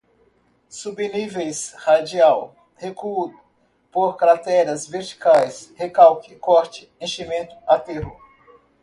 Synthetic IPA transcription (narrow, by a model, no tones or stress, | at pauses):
subenivejshad͡ʒiaw | hekud̪ | poɾkɾat̪ɛɾɐzveɾt͡ʃi̥kajshekawkɪkɔɾt͡ʃɪẽʃimẽnt̪ʊ̥at̪eɦʊ